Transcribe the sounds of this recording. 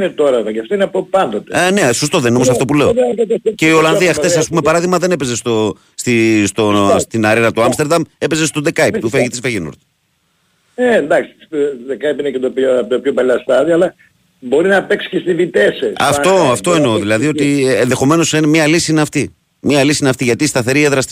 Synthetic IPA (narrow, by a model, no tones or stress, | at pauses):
net̪oɾɐɾɐcɐft̪oineɐpopɐnd̪ot̪ene̞sost̪o̞ðenineoosɐft̪o̞pule̞oce̞io̞lɐnðiɐxθe̞sɐspumepɐɾɐðiɣmɐðe̞ne̞pe̞zest̪o | st̪ist̪ost̪inɐɾinɐt̪oɐmst̪eɾðɐme̞pe̞ze̞st̪o̞ðekɐit̪ufeʝet̪izveʝeno̰ɾt̪ | end̪ɐksi̥ðekɐipinecet̪oppt̪opçopɐlɐst̪ɐðioɐlɐ | bo̞ɾinɐpeksi̥cest̪ivit̪esesɐfo̞ɐft̪o̞enoðilɐðio̞t̪ienðexo̞me̞no̞senmɲɐlisiineɐft̪i | mɲɐlisiineɐft̪iʝɐt̪ist̪ɐθe̞ɾieðɾɐs